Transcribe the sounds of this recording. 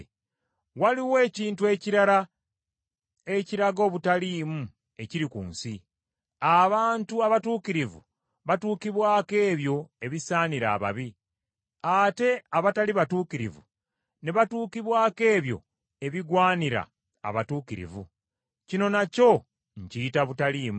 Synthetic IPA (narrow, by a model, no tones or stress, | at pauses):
waliwe̞ːciːntue̞ciɾaɾa | e̞ciɾaɡo̞ːβutaliːmu | e̞ciɾikṵːnsi | aβaːntuaβatuːkiɾivṵ | βatuːkiβwaːke̞ːβjo̞e̞βisaːniɾa̰ːβa̰βi | ate̞aβataliβatuːkiɾḭvṵ | ne̞βatuːkiβwaːke̞ːβjo̞̰ | e̞βiɡwaːniɾa̰ː | βatuːkiɾḭvṵ | cino̞naco̞ | ɲ̩citaβutaliːmu